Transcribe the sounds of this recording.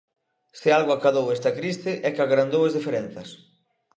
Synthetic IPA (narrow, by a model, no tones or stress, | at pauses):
sɪalɣoakaðowɛst̪ɐkɾist̪ɪʔɛkaɣɾand̪owɐzðifeɾen̟θɐs